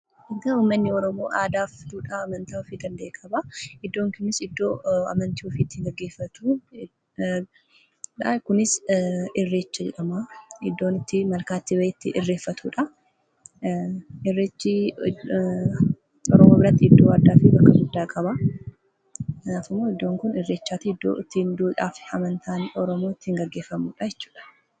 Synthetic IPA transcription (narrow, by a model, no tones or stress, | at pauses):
ɪɡɐuːmːɐnːɪɔɾɔmo̞̰ːʔaːd̪aːfd̪uːᶑaːmɐnt̪aːɔfiːd̪ɐnd̪ɐeːkʼɐbɐɪd̪ːo̞ːŋkʊnɪsɪd̪ːo̞ːɐ̰mɐnt̪iːɔfiːt̪ːɪɡɐɡːe̞ːfːɐt̪uː | ᶑakʊnɪsɪrːeːt͡ʃːɐd͡ʒɛᶑɐmɐɪd̪ːoːnɪt̪ːɪmɐlkaːt̪ːɪbɐʔɪt̪ːɪ̰ʔɪrːe̞ːfːɐt̪ʰuːᶑɐ | ɪrːeːt͡ʃːi | ɔɾɔmoːbɪɾɐt̪ːɪɪd̪ːo̞ːad̪ːaːfɪbɐkːɐɡʊd̪ːaːkʼɐbɐ | k̪ɐnaːfɪmːoːɪd̪ːoːŋkʊnɪrːe̞ːt͡ʃːaːt̪ːɪd̪o̰t̪ːɪnd̪uːᶑa̰ːfɐmɐnt̪ʰaːnɔɾɔmo̞ːɪt̪ːɪhɪŋɡɐɡːe̞ːfːɐmuːᶑɐjɛt͡ʃːu̥ːᶑɐ̥